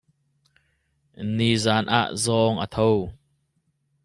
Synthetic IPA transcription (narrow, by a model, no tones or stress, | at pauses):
nizaːnʔa̰ʔzɔːŋʔə̰t̪ʰow